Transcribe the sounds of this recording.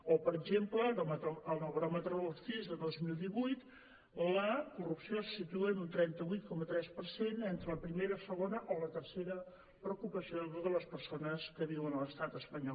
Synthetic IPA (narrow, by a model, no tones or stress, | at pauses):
opəɾəɡʒempləomət̪oəlˠnəβɾɔmət̪ɾələt̪izðəðozmilˠd̪iβujt̪ | ləkurupsiosu̥sit̪uənunt̪ɾɛnt̪əβujt̪̚kɔmət̪ɾɛspərsenent̪ɾələpɾimeɾəsəɣonəʔolət̪ərseɾə | pɾəukupəsiooðələspərsonəskəβiwənələst̪at̪əspəɲɔlˠ